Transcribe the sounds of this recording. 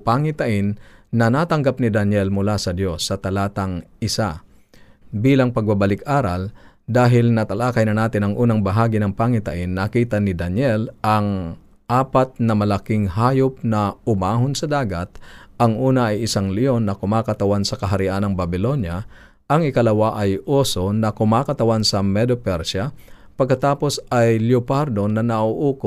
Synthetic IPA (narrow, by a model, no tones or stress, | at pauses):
paŋɪt̪ɐʔɪnːɐnaːt̪ɐŋɡap̚nɪd̪ɐnjɛlmʊlasɐd̪jo̞sːɐt̪ɐlaːt̪ɐŋʔɪsa | biːlɐŋpɐɡ̚babɐlɪkʔaːɾɐld̪aːɦɪlnɐt̪ɐlaːkɐjnɐnaːt̪ɪnɐŋʔuːnɐŋbɐɦaːɡɪnɐŋpaŋɪt̪ɐ̰ʔɪnːɐkiːt̪ɐnɪd̪ɐnjɛlʔɐŋ | ʔaːpɐt̪̚nɐmɐlɐkɪŋɦaːjop̚nɐʊmaːɦonsɐd̪aːɡɐt̪̚ʔɐŋʔuːnɐʔːjʔɪsaŋlɪjo̞nːɐkʊmaːkɐt̪ɐwansɐkɐɦaɾɪʔanɐŋbɐbɪlo̞nja | ʔɐŋɪkɐlɐwaʔɐjʔoːso̞nɐkʊmakɐt̪ɐwansɐmɛd̪opɛɾsa | pɐɡkɐt̪aːpo̞sajljopaɾd̪o̞nɐnɐʔoʔuːkʊ